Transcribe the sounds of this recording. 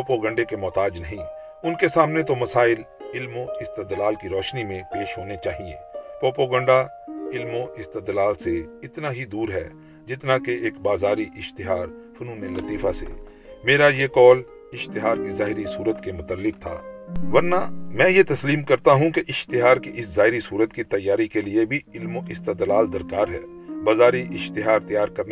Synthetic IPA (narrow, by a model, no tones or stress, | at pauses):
oːpoːɡə̃ɳɖekemɔːt̪aːd͡ʒnɐɦĩ | ʊnkesaːmnet̪omɐsaːɪl | ɪlmoɪst̪ed̪laːlkiɾɔːʃnimẽpeːʃɦoːnet͡ʃaːɦiḛːpɾoːpoːɡə̃ɳɖa | ɪlmõʔɪst̪ɪd̪laːlseɪt̪naɦid̪uːɾɦɛ̰ː | d͡ʒɪt̪nakeeːkbaːzaːɾiʔɪʃt̪ɪɦaːɾ | fʰʊnũːnenɐt̪iːfʰasḛː | meːɾajekɔːl | ɪʃt̪ɪɦaːɾkizaːɦɪɾisuːɾət̪kemʊt̪əlːɪk̚t̪ʰa̰ːʋɐɾna̰mɛ̃ːjet̪ɐsliːmkɐɾt̪aɦũkeʔɪʃt̪ɪɦaːɾkiʔɪszaːɪɾisuːɾət̪kit̪ɐjːaːɾikeliebʱiɪlmõʔɪst̪əd̪laːld̪ɐɾkaːɾɦɛ̰ː | baːzaːɾiʔɪʃt̪ɪɦaːɾt̪ɐjaːɾkɐɾn